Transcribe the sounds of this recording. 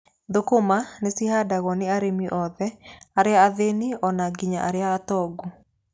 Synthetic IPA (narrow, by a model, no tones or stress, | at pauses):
ðokomanesihadaɣɔnɪaɾemiʔɔðɛaɾeaːðeniɔnaɡiɲaʔaɾeaːtɔɡu